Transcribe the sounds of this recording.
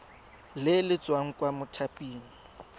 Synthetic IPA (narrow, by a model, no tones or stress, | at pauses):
lɪlɪt͡sʼwaŋ̩kʼwamʊtʰapʼiːni